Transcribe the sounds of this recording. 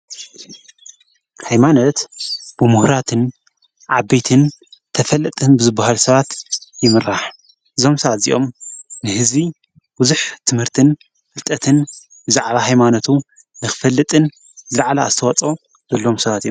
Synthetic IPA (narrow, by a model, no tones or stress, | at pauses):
hajmanot̪b̥ɨmuhɾat̪ʰɨn | ʕabet̪ʰɨnt̪ʰɐfɐlːɨt̪ʼɨnbɨzɨbːahalsɐβat̪jɪmɨɾaħ | ʔɨzo̞msɐβat̪zḭʔo̞̰mnɨhɨzbi | buzuħt̪ʰɨmhɨɾt̪ʰɨn | fɨlt̪ʼɐt̪ʰɨn | bɨzaʕβahajmanot̪ʰu | nɨxɨ̥fɐlːɨt̪ʼɨn | zɨlʕalaa̰zt̪ʰɐwɐt͡sʼo | zɐlːo̞msɐβat̪io